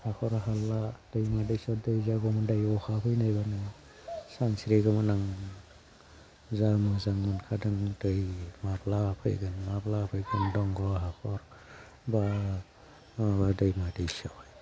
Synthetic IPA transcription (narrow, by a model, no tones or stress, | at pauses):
hakʰɔɾɦalːad̥ɯjmadɯjsɔdɯjzaɡɔmɯndajɔhʰapʰɯjnajbanɯ | saŋsiɾeɡɯmɯnaŋ | zamɯzaŋmɯnkʰadɯŋdɯjmaɾlapʰɯ̰jɡɯnmablapʰɯjɡɯndɔŋɡɔɦakʰɔɾ | ba | badɯjmadɯjsɔj